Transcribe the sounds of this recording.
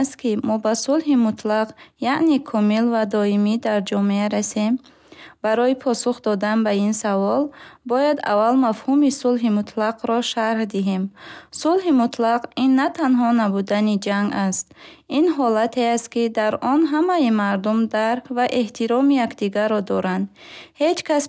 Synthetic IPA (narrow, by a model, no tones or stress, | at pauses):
st̪kimɔbasulɦimut̪ʰlaqjaʔnekʰɔmilvad̪ɔimid̪aɾd͡ʒɔmeaɾasem | baɾɔipʰɔsuχd̪ɔd̪anbainsavɔlbɔjad̪a̰vːalmafhumisulɦimut̪ʰlaqɾɔʃaɾhd̪iɦemsulɦimut̪laqinːat̪ʰanɦɔnabud̪anid͡ʒaŋɡast̪̚inɦɔlat̪ʰe̞ast̪̚kid̪aɾɔnɦamajimaɾd̪umd̪aɾkʰvaʔeht̪ʰiɾɔmijakd̪iɡaɾːɔd̪ɔɾand̪ | he̞d͡ʒkʰas